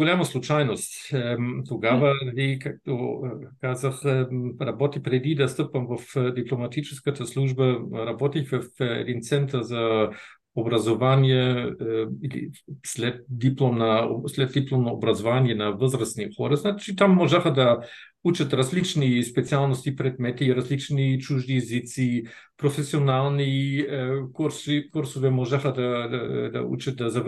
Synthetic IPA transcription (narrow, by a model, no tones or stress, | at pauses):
ɡolʲamaslˠut͡ʃajnost̪t̪oɡavalikak̚t̪okazaxɾabɔt̪ipɾɛd̪id̪ast̪əpɐmvəfd̪iplˠomat̪it͡ʃɛskat̪aslˠuʒbaɾabɔt̪ixvəfɛ̰d̪int̪sɛnt̪aza | obɾazovanijɛ | ilḭslʲɛt̪̚d̪iplˠomnaslʲɛt̪̚d̪iplˠomnoobɾazovanijɛnavəzɾasnixoɾaznat͡ʃit̪amːoʒaxad̪a | ut͡ʃat̪ɾazlit͡ʃnispɛt̪sialˠnost̪ipɾɛd̪mɛt̪iɾazlit͡ʃnit͡ʃuʒniːzit̪si | pɾofesionalˠni | kuɾsikuɾsovɛmɔʒaxad̪aad̪a̰ṵt͡ʃat̪̚d̪aza